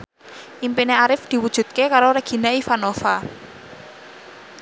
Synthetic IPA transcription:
ʔimpineaɾɪfd̪̥i̤wud̥ʒ̥ṳd̪̚kekaɾoɾəɡ̥i̤naifanofa

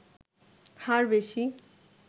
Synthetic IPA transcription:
pʰãɹbesi

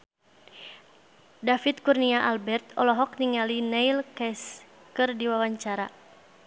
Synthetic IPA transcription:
dafit̪̚kurniaʔalbɛrt̪ɔlɔɦɔk̚niŋalinɛilkɛs | kɨrdiwawaɲt͡ʃaɾa

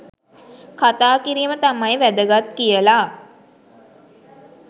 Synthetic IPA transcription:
kat̪aːkiɾiːmət̪amajʋæd̪əɡat̪kijəlaː

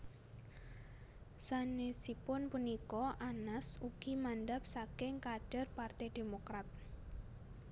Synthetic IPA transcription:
sanesipʊnpunikɔʔanasuɡ̥imanɖap̚sakɪŋkaɖ̥a̤rpart̪ɛd̪̥emokɾat̪̚

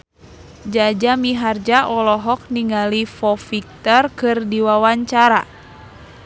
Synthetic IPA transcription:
d͡ʒad͡ʒamiɦard͡ʒaʔɔlɔɦɔk̚niŋalifɔfik̚t̪ɔrkɨrdiwawaɲt͡ʃaɾa

